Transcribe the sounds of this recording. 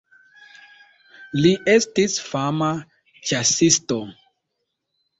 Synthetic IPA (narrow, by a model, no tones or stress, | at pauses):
liʔestisfama | t͡ʃasisto